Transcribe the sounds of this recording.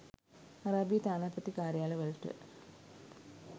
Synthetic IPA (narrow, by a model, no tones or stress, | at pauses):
ɐɾaːbijɐt̪aːnaːpɐt̪ːikaːɾjaːlɐʋɐɭʈːɨ̰